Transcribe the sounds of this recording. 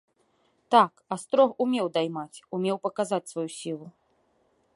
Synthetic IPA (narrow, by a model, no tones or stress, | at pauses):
t̪akast̪ɾɔxumʲɛwd̪ajmat͡sʲumʲɛwpɐkazat͡sʲsvajusʲilˠu